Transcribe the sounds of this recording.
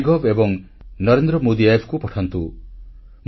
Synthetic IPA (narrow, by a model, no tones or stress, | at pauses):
ɡɔbebɔŋ | nɔɾend̪ɾɔmod̪iaebʰkupɔʈʰɔnt̪u | m